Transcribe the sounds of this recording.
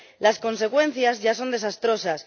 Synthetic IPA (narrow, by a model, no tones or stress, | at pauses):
lasko̞ns̬ekwẽ̞n̟θjazʝaso̞nd̪e̞sast̪ɾo̞sas